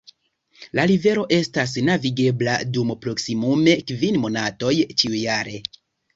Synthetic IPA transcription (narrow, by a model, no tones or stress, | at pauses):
laɾive̞ɾo̞ʔe̞stas̬naviɡe̞bladumpɾo̞ksimume̞kvinmo̞nato̞jt͡ʃiujaɾe̞